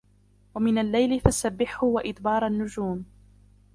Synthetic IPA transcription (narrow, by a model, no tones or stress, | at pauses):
wamɪnalːajlɪfasabːɪħhʊwaʔɪt̪bɑːɾˤanːʊd͡ʒuːm